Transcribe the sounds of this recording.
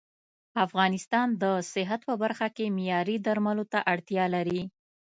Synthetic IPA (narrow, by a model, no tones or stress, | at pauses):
afɣɑnɪst̪ɑnd̪əsɪɦat̪pəbaɾxakemɪjɑɾid̪aɾmalot̪aʔaɽt̪jɑlaɾi